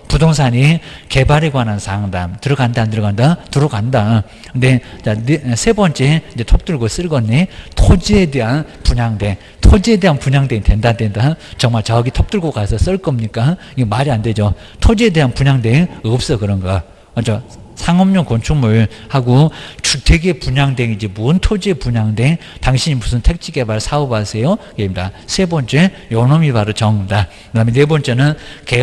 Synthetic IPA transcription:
pudoŋsʰaɲike̞baɾeɡwanɯnsʰaŋdamtɯɾʌɡandandɯɾɡandatɯɾʌɡanda | ɯndet͡ɕanesʰe̞bʌnt͡ɕ͈e̞inɲd͡ʑe̞tʰop̚t͈uɭɡos͈ɯɭɡʌnːetʰod͡ʑiedeɦanpuɲaŋde̞ | tʰod͡ʑiede̞ɦanpuɲaŋdeite̞ndandendat͡ɕʌŋmaɭt͡ɕʌɡitʰop̚t͈ɯɭɡokasʰʌs͈ʌɭk͈ʌmɲik͈a | iɡemaɾiande̞d͡ʑo | tʰod͡ʑiede̞ɦanpuɲaŋdeŋʌp̚s͈ʌkɯɾʌnɡʌ | ad͡ʑʌ | sʰaŋʌmɲoŋkont͡ɕʰuŋmuɭhaɡot͡ɕʰuteɡepuɲaŋdeŋid͡ʑe̞muɯntʰod͡ʑiepuɲaŋdeŋtaŋɕʰiɲimusʰɯntʰe̞k̚t͡ɕ͈ʰiɡe̞baɭsʰaobasʰe̞jokeimdasʰe̞bʌnt͡ɕ͈e̞ | jʌnomibaɾot͡ɕʌŋmda | kɯdamʌnwebʌnt͡ɕ͈e̞nɯnke

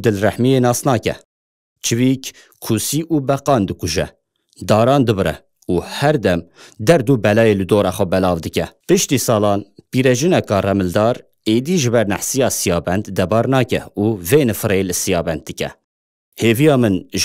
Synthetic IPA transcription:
d̪ɨlrɛħmijeːnɑːsnɑːkɛ̰ | t͡ʃʰɨviːk | kʰusiːʔuːbɛqɑːnd̪ɨkuʒɛ̰ | d̪ɑːɾɑːnd̪ɨbɨɾɛ̰ | uːhɛɾd̪ɛmd̪ɛɾd̪uːbɛlɑːjelɨd̪oːɾɑːxʷɛbɛlɑːvd̪ɨkʲɛpɨʃt̪iːsɑːlɑːnpiːɾɛʒɨnɛkɑːrɛmɨld̪ɑːɾ | eːd̪iːʒɨbɛɾnɛ̰ħsijɑːsijɑːbɛnd̪d̪ɛbɑːɾnɑːkɛ̰uːveːnɨfɨɾeːlɨsijɑːbɛnd̪̚ːɨkɛ̰ | heːvijɑːmɨnʒ

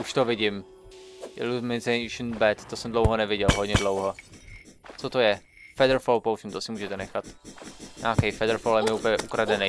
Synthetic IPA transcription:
ʔuʃt̪ovɪɟɪm | ʔɪ̰lumɪzɛʃnbɛt̪t̪osɛmdlowɦonɛvɪɟɛlɦod̪ɲɛdlowɦo | t͡sot̪ojɛ | fɛdɛɾfolpowsɪmt̪osɪmuːʒɛt̪ɛnɛxat̪ɲa̰ːkɛjfɛdɾfoljɛmjɛupəɲɛʔukɾadɛnɛj

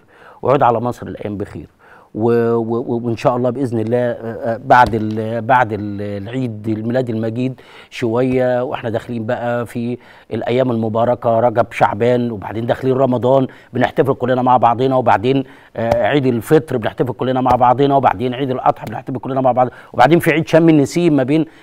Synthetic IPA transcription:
wʔeʕuːd̪ʕalæmɑsˤɾḛlʔæ̰jːæːmbexḭːɾ | wewwwenʃæːʔɑlˤːɑːbʔeznelːæːbaʕd̪elbaʕd̪ellʕiːd̪lmelæːd̪elmæɡiːd̪ | ʃowæjːæwʔḛħnæd̪æxeliːmbæʔæfi | elʔæjːæːmelmobɑːɾˤɑkæɾˤɑɡæbʃa̰ʕbæːnweba̰ʕd̪eːnd̪æxliːnɾˤɑmɑd̪ˤɑːn | beneħt̪æfelkolːenæmaʕbɑʕd̪ˤenæwebaʕd̪eːn | ʕiːd̪elfet̪ɾbeneħt̪æfelkolːenæmaʕbɑʕd̪ˤenɑweba̰ʕd̪eːnʕiːd̪elʔɑ̰t̪ˤħɑbeneħt̪æfekolːenæmaʕbɑʕd̪ˤweba̰ʕd̪eːnfiʕiːd̪ʃæmːinːesiːbmæbeːn

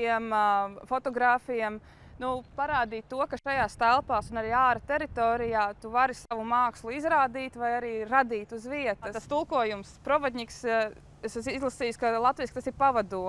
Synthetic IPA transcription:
iɛmfɔt̪ɔɡɾaːfijɛm | nupaɾaːd̪iːt̪tːuɔkaʃajaːst̪ælˠpaːsunaɾiːaːɾɐt̪eɾit̪oːɾijaːt̪uvaɾisaʋumaːkslˠuizɾaːd̪iːt̪vajaɾiːɾad̪iːt̪uzʋiɛt̪ɐt̪ast̪ulˠkuɔjumspɾɔvad̪ʲɲiks | essizlˠasiːjskalˠat̪viːskt̪asiɾpaʋad̪uɔ

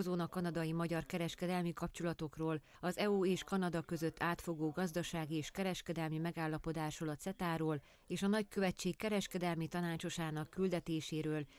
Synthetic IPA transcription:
zoːnɒkɒnɒd̪ɒjimɒɟɒrkɛɾɛʃkɛd̪ɛlmikɒp̚t͡ʃolɒt̪o̞kroːl | ɒzɛuːeːʃkɒnɒd̪ɒkø̞zøt̪ʰːaːt̪fo̞ɡoːɡɒzd̪ɒʃaːɡieːʃkɛɾɛʃkɛd̪ɛlmimɛɡaːlːɒpo̞d̪aːʃroːlɒt̪sɛt̪aːɾoːl | eːʃɒnɒckøvɛt͡ʃːeːkkːɛɾɛʃkɛd̪ɛlmit̪ɒnaːt͡ʃo̞ʃaːnɒkːyld̪ɛt̪eːʃeːɾøːl

